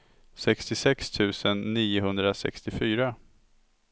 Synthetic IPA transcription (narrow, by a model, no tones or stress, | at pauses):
sɛkst̪ɪsɛkst̪ʰʉ̟ːsənːiːʊɦɵnd̪ɾasɛ̰kst̪ɪfyːɾa